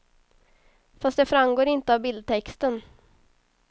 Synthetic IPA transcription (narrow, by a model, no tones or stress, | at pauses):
fast̪d̪ɛfɾamɡoːɾɪnt̪əavbɪld̪̚t̪ʰɛkst̪ən